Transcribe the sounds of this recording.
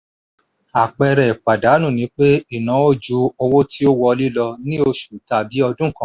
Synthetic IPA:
a˨k͡pɛ˧ɾɛ˨k͡pa˨da˨˦nũ˦˨nĩ˨˦k͡pe˦i˦˨nã˨˦o˦˨d͡ʒu˨˦ɔ˧wo˦ti˦o˦wɔ˧li˦lɔ˧nĩ˦o˧ʃu˨ta˨bi˨˦ɔ˧dũ˦˨kã˦

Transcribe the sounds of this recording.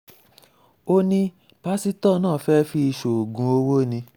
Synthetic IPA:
o˧nĩ˧ | pa˦si˦tɔ˦˨nãː˦˨fɛ˦fi˧i˧ʃo˨ɡũ˨˧˦o˧˦wo˦˨nĩ˧

